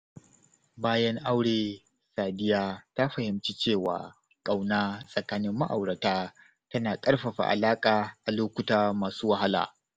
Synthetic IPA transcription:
baː˦jɐ˦ŋʔa˦wɽeː˨ | saː˨dɪ˦jaː˦ta˦ɸɐ˨hɪ˨mt͡ʃi˦t͡ʃeː˦˨wa̰ː˨ | kʼa˨wnaː˦sʼɐ˨kaː˦nɪ˦mːa̰˦ʔa̰˨wɽɐ˨taː˦ | tɐ˦naː˨kʼɐ˦rɸɐ˨ɸa̰˨ʔa̰˨laː˦kʼaː˨ʔa˨loː˦kʷʊ˦taː˦maː˨suː˦wɐ˦ɦa˦la̰ː˨

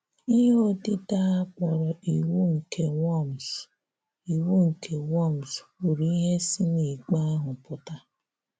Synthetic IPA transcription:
i˦ɦe˦o˦di˦ta˦a˦k͡pɔ˨ɾɔ˨ʔi˨wu˦ŋ̩˨kʰe˨wɔ˦˨m˨s | i˨wu˦ŋ̩˨kʰe˨wɔ˦˨m˨so˨ɾi˨i˦ɦe˦si˦ni˨k͡pa˦ɦʊ˨pʊ˦ta˦

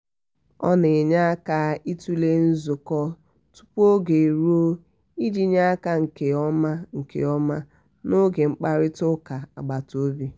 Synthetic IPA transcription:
ɔ̰˦ne˨ɲa˦a˦ka˦i˦tu˦le˦n̩˦zʊ˨kɔ˦ | tu̥˦pu˦o˦ɡe˨i˨ɾu˦o˦ | i˦d͡ʒi˦ɲa˦ka˦ŋ̩˨ke˨ɔ˦ma˦ŋ̩˨kḛ˨ɔ˦ma˦ | no˦ɡe˨ŋ͡m̩˦k͡pa˦ɾɪ˦tʊ˦ka˨a̰˨ɡ͡ba˨to˦bi˦

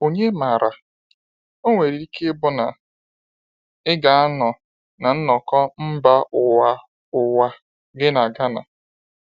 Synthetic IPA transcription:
o˨ɲe˦ma˨ɾa˨ | o˦ŋʷe˨ɾi˨ɾi˦ke˦bʊ˦na˨ | ɪ˦ɡa˨˦a˦nɔ˨ | na˨n̩˦nɔ˨kɔ˦m̩˦ba˦ʊ˨wa˦ | ʊ˨wa˦ | ɡɪ˦na˨ɡa˦na̰˨

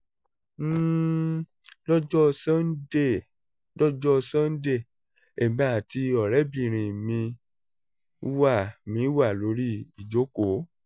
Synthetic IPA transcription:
lɔ˦d͡ʒɔ˦˧sã˦n̩˦de˦˨ | lɔ˦d͡ʒɔ˦˧sã˦n̩˦de˦˨ | e˨ba˨˦˨ti˧ɔ˨ɾɛ˨˦bĩ˦˨ɾ̃ĩ˨mĩ˧˦ | wa˦˨mĩ˧˦wa˦˨lo˨˧˦ɾi˦i˨d͡ʒo˨˦ko˨˦

